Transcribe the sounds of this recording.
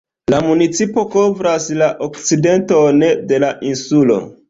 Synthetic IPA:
lamunit͡sipo̞ko̞vɾaslaʔokt͡side̞nto̞ne̞de̞laʔinsulo̞̰

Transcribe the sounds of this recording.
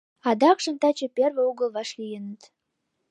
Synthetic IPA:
ɑd̪ɑkʃə̆mt̪ɑt͡ɕeperβeuɣəlβɑʃlijənət̪

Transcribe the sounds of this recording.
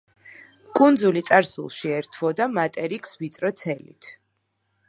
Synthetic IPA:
kʼund̪zulit̪sʼaɾsṵlˠʃiɛɾt̪ʰwɔd̪amat̪ʼɛɾikʰsvit̪sʼɾɔt̪sʰɛlḭt̪ʰ

